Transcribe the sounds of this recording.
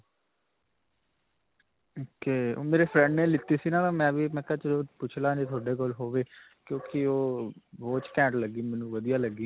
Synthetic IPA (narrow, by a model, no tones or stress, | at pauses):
oːkeːo̰ːmeːɾeːpʰɾɛ̃ɳɖneːlɪt̪ːiːsiːnãːtamɛ̃ːʋiːmɛ̃ːkət͡ʃoːpʊt͡ʃʰlãːd͡ʒeːt̪ʰʊaːɖeːkoːlɦoːʋeː | kjõːkɪoːʋoːt͡ʃkɛ̃ːɳʈləɡiːmɛ̃ːnũːʋəd̪ijaːləɡiː